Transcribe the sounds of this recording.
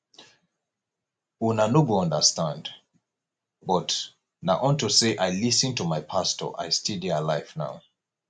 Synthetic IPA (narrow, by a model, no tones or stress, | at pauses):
unanoɡoɔ̃ndəstãnd | bɔt | naʔɔ̃ntuseʔajlisɨ̃ntumajpʰastɔ̰ʔa̰jstidialaɪfna̰ʊ